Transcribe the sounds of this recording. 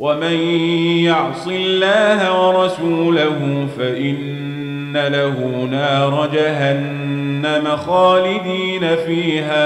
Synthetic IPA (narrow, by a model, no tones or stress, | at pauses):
wamanjɑʕsˤɨlːaːhawɑɾˤɑsuːlaɦʊfaʔɪnː | alahunɑːɾˤɑd͡ʒaɦanː | amaxɑːlɪd̪iːnafiːɦaː